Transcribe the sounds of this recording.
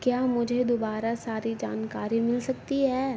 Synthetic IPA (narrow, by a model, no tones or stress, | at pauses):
kjaːmʊd͡ʒʱed̪oːbaːɾasaːɾid͡ʒa̰ːnkaːɾimɪlsɐk̚t̪iɦɛː